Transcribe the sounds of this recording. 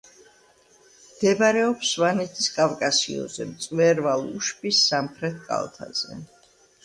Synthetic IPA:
md̪̥ɛbaɾɛɔpsvanɛt̪ʰiskʼavkʼasḭɔ̰zɛ̰mt̪sʼwɛɾvalˠuʃpʼisːamχɾɛt̪̚ʰkʼa̰lˠt̪ʰa̰z̥ɛ̰

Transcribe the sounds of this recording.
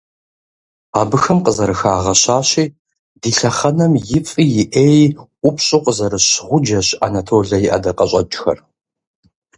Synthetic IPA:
aːbɨxɐmqəzɐɾɨxaːʁɐɕaːɕiː | diːɬɐχɐnɐmjɪfʼiːjɪʔeːjʔʷʊpʰɕʼuqəzɐɾɨɕʁʷʊd͡ʒɐɕʔa̰nɐtʰoːɮɐjɪʔɐ̰dɐqɐɕʼɐt͡ʃʼxɐ̰r

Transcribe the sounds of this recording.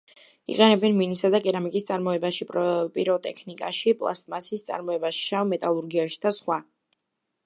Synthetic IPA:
ḭqʼɛnɛbɛnminisad̪akʼɛɾamikʼist̪sʼaɾmɔɛbaʃipʼɾpʼiɾɔt̪ʼɛkʰnikʼa̰ʃipʼlˠa̰st̪ʼmasist̪sʼa̰ɾmɔɛbaʃamɛt̪ʼalˠuɾɡiaʃi̥d̪asχwa

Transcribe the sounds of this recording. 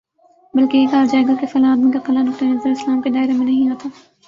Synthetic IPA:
bɐlkeeːkaːɾd͡ʒaːɡəɾkefɐlaːd̪mikaxɐlanʊk̚t̪ɐnɐzəɾɪslaːmked̪aːɪɾemẽnɐɦĩɦoːt̪aː

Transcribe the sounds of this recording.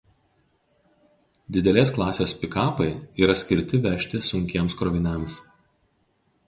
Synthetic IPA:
d̪ʲɪd̪ʲɛlʲeːsklˠɑːsʲeːspʲɪkɑːpɐɪiːɾɐsʲkʲɪɾʲt̪ʲɪʋʲɛʃʲt̪ʲɪsʊŋʲkʲeɛmskɾɔːʋʲɪnʲɛˑms

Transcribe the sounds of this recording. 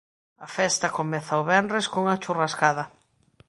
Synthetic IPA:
ɐfɛst̪ɐkomɛθɐoβɛnrɾeskoŋat͡ʃuraskaðɐ

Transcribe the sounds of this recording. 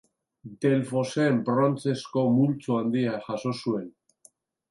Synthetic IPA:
d̪e̞lfo̞seːmbɾont͡se̞skomult͡soand̪iaʝaso̞sue̞n

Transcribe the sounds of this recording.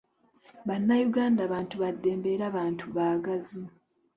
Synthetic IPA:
βanːajuɡaːndaːβaːntuβadːe̞ːmbe̞ːɾaːβaːntʰuβaːɡazu

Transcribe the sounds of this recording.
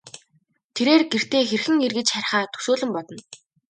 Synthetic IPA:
t̪ʰeɾeːrɡer̥t̪eːxerxɘ̆ŋerɣɘ̆t͡ɕχæɾ̆ʲχaːt̪ʰu̥soːɮɘ̆mpɔt̪ɞ̆n

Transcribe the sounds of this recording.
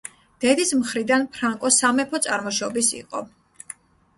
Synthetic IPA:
d̪̥ɛd̪ismχɾid̪anpʰɾaŋkʼɔsamɛpʰɔt̪sʼaɾmɔʃɔbisḭqʼɔ̰

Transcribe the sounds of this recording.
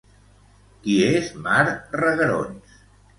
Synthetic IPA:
kiezmaɾrəɣəɾo̰ns

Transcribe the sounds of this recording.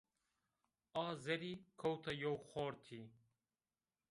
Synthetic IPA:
ɑːzɛɾiːkʰowt̪ʰɐjowxoːɾt̪ʰiː

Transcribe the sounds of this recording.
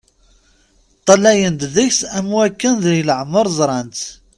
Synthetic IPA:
t̪ˤːɑlæjənd̪ðəçsæmuækːənðəhləʕməɾˤzˤɾˤɑnt̪

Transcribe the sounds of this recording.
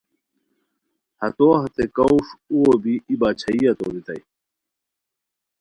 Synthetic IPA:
hɐt̪ohɐt̪ekɐuʂuwobiibaːt͡ɕʰɐijɐt̪oːd̪it̪ɐj

